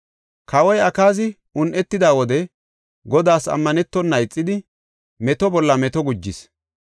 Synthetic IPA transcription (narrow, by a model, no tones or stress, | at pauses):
kʰɐwɔjɐkaːz̬ɪ | ʊnʔɛt̪ːɪd̪aːwɔd̪ɛ | ɡɔd̪aːsɐ̰mːɐnɛt̪ːɔnːɐjt͡sʼːɪd̪ɪ | mɛt̪ɔbɔlːɐmɛt̪ɔɡʊd͡ʒːɪs